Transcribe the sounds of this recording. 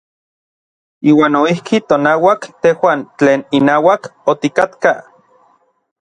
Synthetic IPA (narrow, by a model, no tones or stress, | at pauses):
iːwaːnoihkit̪onaːwakt̪ehwaːnt͡ɬeːninaːwakot̪ikat̪ka